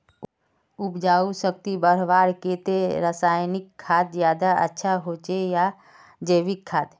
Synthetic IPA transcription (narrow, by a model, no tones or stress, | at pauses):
ʊpd͡ʒaːusək̚t̪ibəɾ̤ʋaːɾkeːt̪eɾəsaːjnɪkʰːaːt̪zjaːd̪aʔə̰tːʃʰaɦoːt͡ʃeja | d͡ʒəːʋɪkʰːaːt̪